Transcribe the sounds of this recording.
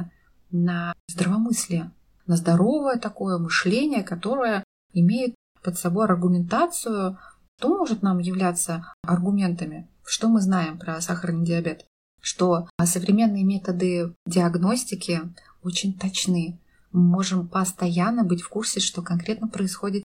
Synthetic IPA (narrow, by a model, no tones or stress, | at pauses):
nɐzd̪ɾəvɐmɨsʲlʲɪjə | nəzd̪ɐɾo̞vəjət̪ɐko̞jəmɨʂlʲenʲɪjəkɐt̪o̞ɾəjə | ɪmʲejɪt̪̚ | pət̪sɐbo̞jɐrɡʊmʲɪnt̪at̪sɨjʊ | t̪o̞mo̞ʐɨt̪namjɪvlʲat̪sːəɐrɡʊmʲe̞nt̪əmʲɪ | ʂt̪o̞mɨznajɪmpɾɐsaxəɾənːɨdʲɪɐbʲe̞t̪ | ʂt̪o̞səvɾʲɪmʲe̞nːɨjəmʲe̞t̪əd̪ɨdʲɪɐɡno̞sʲtʲɪkʲɪ | o̞t͡ɕɪnʲt̪ɐt͡ɕnɨ | mɨmo̞ʐɨmpəst̪ɐjanːəbɨtʲfkursʲɪʂt̪o̞kɐnkɾʲe̞t̪nəpɾəɪsxo̞dʲɪt̪